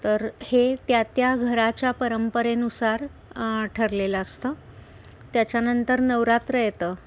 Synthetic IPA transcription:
t̪əɾhet̪jat̪jaɡʱəɾat͡ɕjapəɾəmpəɾenusaɾ | ʈʰəɾleləəst̪əː | t̪jat͡ɕjanənt̪əɾnəʋɾat̪ɾəjt̪əː

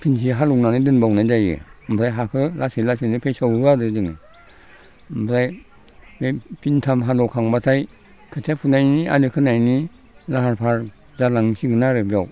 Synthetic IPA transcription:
kʰinsiɦalɔwnanidɯnbawnajzajɯ̰m̩bʰɾajɦakʰɯlasilasinipʰejsawɯadɯzɯŋɯ | mbɾaj | mepintʰamɦalɔwkʰaŋbatʰaj | kʰɯtʰepʰunajnia̰nɯkʰɯnajni | laɦaɾpʰaɾ | zalaŋsiɡɯnaɾɯbiaw

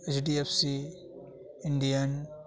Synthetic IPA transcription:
et͡ʃɖiepʰsi | ɪɳɖijən

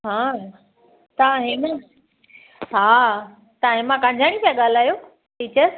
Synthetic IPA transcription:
ɦãː | t̪ãːɦɪ̃nə | ɦaː | t̪ãːɦɪ̃mãkãːɲd͡ʑʱaːɽ̃ĩpjãɠaːl̤aːjo | ʈʰiːt͡ɕəs

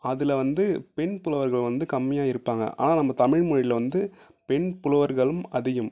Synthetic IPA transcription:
ɐðɪlʋɐnd̪ɯpɛɳpʊlɐʋɐɾɣɐɭʋɐnd̪ɯkɐmːɪjaːɪɾɯpːaːŋɡɐ̰ʔa̰ːnaːnɐmːɐt̪ɐmɪɻmʊɻɪjɪlɐʋɐnd̪ɯ | pɛɳpʊlɐʋɐɾɣɐɭɯmɐðɪjɯm

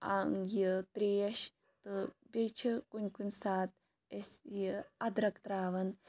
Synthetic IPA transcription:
aŋjit̪ɾeːɐʃ | t̪ɨbʲet͡ʃʰikunʲkunʲsaːt̪̚ | esjəɐd̪ɾɐkt̪ɾaːʋɐn

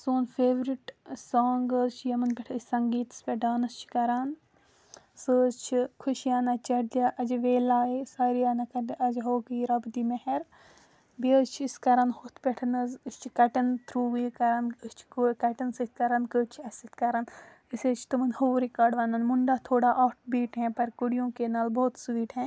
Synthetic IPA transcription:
soːnfeːʋɾiʈsaːŋɡəzt͡ʃʰijɐmɐnpʲɛʈʰɨsʲsɐŋɡiːt̪ɐ̥spʲɛʈaːnɐst͡ʃʰi̥kɐɾan | səːzt͡ʃʰikʰuʃijaːnɐt͡ʃɐɽd̪aʔɐd͡ʒʋeːlaːesaːɾijaːnɐkɐɾd̪iʔɐd͡ʒɦoːkiːɾɐbd̪imɐhɛɾ | biəzt͡ʃʰiskɐɾɐnhut̪ʰpʲɛʈʰɐnɐzst͡ʃʰi̥kɐʈɐnt̪ʰɾuːʋikɐɾɐnəst͡ʃʰi̥kokɐʈɐnsəːt̪̚ʰkɐɾɐnkəːt͡ʃʰiɐsit̪̚ʰkɐɾɐn | iseːt͡ʃʰi̥t̪umɐnhoːɾikaːɖʋɐːnɐnmuɳɖaːt̪ʰoːɽaːʔɐːʈ̚ʰbiːʈɦɛ̃pɐɾkuɽijõːkenaːlboːt̪sʋiːʈɦɛ̃ː

